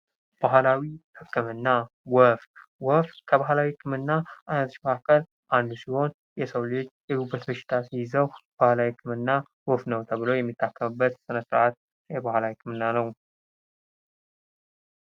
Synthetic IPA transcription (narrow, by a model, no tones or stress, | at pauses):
b̥aɦlawihɨkːɨmɨnːa | wɔf | wɔfkʰəβaɦlawiɨkʰʼːɨmɨnːaʔanət̪ʃməkakːəl | ʔand̪usiho̞n | jɛsəwlet͡ʃːjɛɡubːət̪bəʃɪ̥t̪ʰasijɪzəwb̥ahlawikʰːɨmɨnːa | wɔfnəwt̪ʰəβɨlojɛmːit̪ʰːakːəmɨbːət̪sɨnəsɾʔat̪̚ | jɛbahlawikʰɨmɨnːanəw